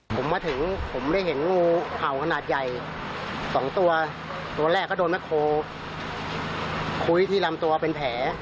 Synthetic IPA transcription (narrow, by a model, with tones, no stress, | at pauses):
pʰo˩˦mːaː˧t̪ʰɯ˨˩˦ŋpʰo˩˦mda˥˩jɦe˩˦nŋuː˥˩ha˨˩wkʰa˧naː˨˩t̪̚ja˨˩j | sɔː˩˦ŋt̪u˧ɐ | t̪u˧ɐ˧lɛː˥˩kːɔː˥˩doː˧nma˥˩jkʰoː˧ | kʰu˧jt̪ʰiː˥˩la˧mt̪u˧ɐpe˧npʰɛː˩˦